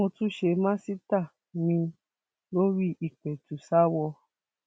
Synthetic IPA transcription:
õ˧tũ˦ʃe˧mã˦si˦ta˦˨ | mĩ˧ | lo˦ɾi˦ʔi˨k͡pɛ˨tu˨sa˦wɔ˧

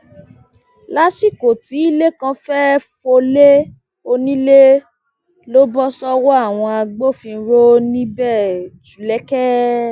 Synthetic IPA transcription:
la˦si˦˨ko˨ti˨˦i˦le˦kã˧fɛ˦fo˧le˦ | o˧nĩ˦le˦ | lo˦bɔ˦sɔ˦wɔ˦a˦˨w̃ɔ̃˧a˧ɡ͡bo˦˨fĩ˧˦ɾo˦nĩ˦bɛ˦˨d͡ʒu˨lɛ˦kɛ˦

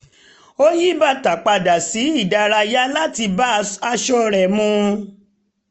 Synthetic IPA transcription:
o˦ji˦ba˦˨ta˨k͡pa˧da˨si˨˦i˦˨da˨˧ɾa˧ja˦la˦ti˧ba˦a˧ʃɔ˧ɾɛ˨mũ˧˦

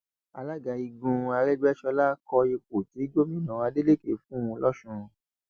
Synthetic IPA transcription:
a˧la˦ɡa˨˧˨i˧ɡũ˧a˧ɾɛ˦ɡ͡bɛ˦ʃɔ˧la˦kɔ˧e˧k͡po˨ti˨˦d͡ʒo˦mĩ˦˨nã˨a˧˦de˦le˦˨ke˨˦fũ˦ũ˧lɔ˦ʃũ˧

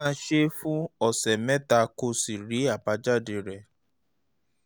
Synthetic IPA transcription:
ã˦ʃe˦fũ˦ɔ˦˨sɛ˨mɛ̃˦ta˦˧ko˧si˨ɾi˨˦a˦˨ba˨˧˦d͡ʒa˦˨de˧˨ɾɛ˦˨

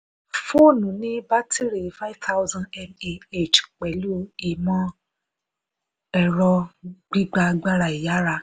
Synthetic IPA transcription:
fo˦˨nũ˨nĩ˦ba˦ti˦ɾi˨fa˦i˦vt̪ʰa˦wzã˦ndɛ˧me˨e˦˨t͡ʃk͡pɛ˨lu˦i˨mɔ̃˦ | ɛ˧ɾɔ˧ɡ͡bi˦ɡ͡ba˧ɡ͡ba˦ɾa˧˨i˨ja˨˦ɾa˧

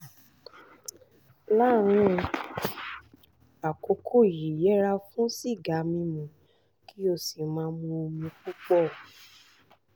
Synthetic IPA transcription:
la˦˨ɾ̃ũ˦˧ | a˨ko˧˦kʰo˦˨ji˨jɛ˨˦ɾa˧fũ˦si˦˨ɡa˨˦mĩ˧mũ˨ | ki˦o˦˨si˨mã˧˦mõ˧o˧mĩ˧k͡pu˦k͡pɔ˦˨

